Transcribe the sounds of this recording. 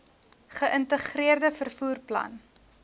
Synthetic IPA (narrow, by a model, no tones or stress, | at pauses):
χəʔəntəχriərdəfərfuːrplɐ̰n